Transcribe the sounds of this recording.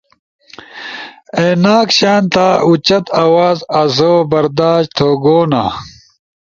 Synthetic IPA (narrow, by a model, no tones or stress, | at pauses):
eːnaːkɕaːnt̪aːut͡ɕɐt̪awaːzɐzoːbɐɾd̪aːɕt̪ʰoːɡoːna̰